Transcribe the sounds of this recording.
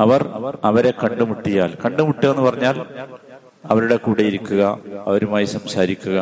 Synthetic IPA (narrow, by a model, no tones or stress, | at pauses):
ɐʋɐrɐʋɐɾe̞kɐɳɖumuʈːijaːlkɐɳɖumuʈːiɐenːɨpɐrɐɲːaːl | ɐʋɐɾuɽe̞kuːɽejiɾukʲːuɣɐɐʋɐɾumaːjisɐmsaːɾikʲːuɣɐ